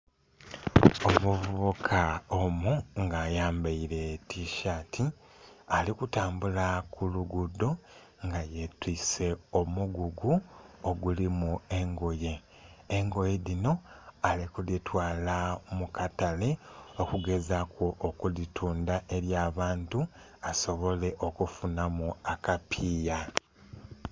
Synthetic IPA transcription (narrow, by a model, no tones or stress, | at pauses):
omuvuβukʰaomuŋɡaːjaːmbaiɾe̞tiʃaːtʰi | alikutaːmbulakʰuluɡudːo̞ | ŋɡaje̞twiːse̞omuɡuɡuoɡulimue̞ŋɡo̞je̞ː | ŋɡo̞jeðino̞alekulitwaːlamukatale̞okuɡe̞zakoʔokulitʰuːndaʔe̞ɾjaːβaːntu | aso̞βo̞le̞ʔo̞kufunamuakapʰiːja